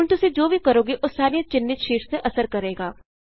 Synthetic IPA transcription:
ʊnt̪ʊsĩːd͡ʒoːbʱiːkəɾoːɡiʔʊssaːɾit͡ʃɪnːɪt̪ʃiːʈseʔəsəɾkəɾeːɡaː

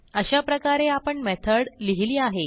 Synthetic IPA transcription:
əɕapɾəkaɾeapəɳmɛt̪ʰəɽliɦiliːaɦe

